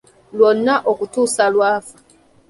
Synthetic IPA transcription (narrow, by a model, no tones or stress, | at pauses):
lwɔnːaʔɔkutusalwaːfḁ